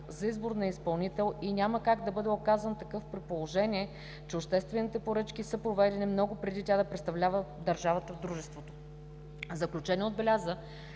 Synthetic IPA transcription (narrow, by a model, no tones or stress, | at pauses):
zɐizboɾnɐispɐlˠnit̪ɛlˠinʲaməkaɡd̪ɐbɤd̪ɛokazənt̪ɐkɤfpɾit̪̚polˠoʒɛnʲiɛ | t͡ʃɛopʃt̪ɛst̪vɛnit̪ɛpoɾɤt͡ʃkʲisɤpɾovɛd̪ɛnimnɔɡʊpɾɛd̪it̪ʲad̪ɐpɾɛt̪st̪ɐvlʲavəd̪ɐɾʒavət̪əvd̪ɾuʒɛst̪vot̪o̥ | zəklʲut͡ʃɛniɛod̪̚bɛlʲazə